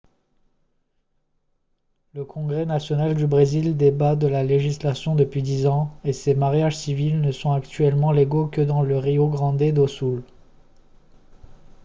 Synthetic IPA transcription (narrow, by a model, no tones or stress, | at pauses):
ləkʰɔ̃ɡʁɛnasjɔnald̪ybʁezild̪ebad̪əlaleʒislasjɔ̃d̪əpɥid̪izɑ̃esemaʁjaʒsivilnəsɔ̃akt̪ɥɛlmɑ̃leɡokəd̪ɑ̃ləʁioɡʁɑ̃d̪ed̪osul